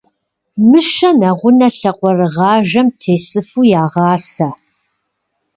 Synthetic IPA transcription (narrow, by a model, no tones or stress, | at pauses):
mɨʃɐnɐʁʷʊnɐɬɐqʷʼɔrɨʁɑːʒɐmtʰeːsɨfuːjaːʁɑːsɐ